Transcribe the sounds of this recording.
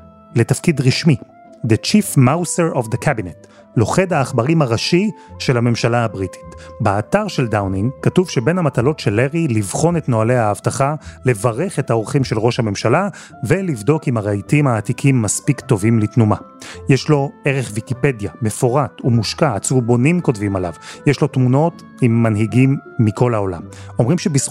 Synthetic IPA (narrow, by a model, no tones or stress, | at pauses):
le̞tafkidʁiʃmi | d̪et͡ʃifmawseʁovd̪ekʰabinet | lo̞χedhaːχbaʁimaʁaʃiʃe̞lhame̞mʃalaabʁiti̥tbeataʁʃe̞ldawniŋkatuvʃebenhamatalo̞tʃelːeʁilivχo̞netno̞aleaːvtaχale̞vaʁe̞χe̞thaoʁχimʃe̞lʁo̞ʃhame̞mʃala | velivdo̞kimaʁeitimhaːtikʰimːaspikto̞vimlitnumajeʃlo̞e̞ʁeχvikipe̞djame̞fo̞ʁatumuʃkaːt͡subo̞nimko̞tvimala̰vjeʃlo̞tmuno̞t | imːanɦiɡimːikʰo̞lao̞la̰mo̞mʁimʃebis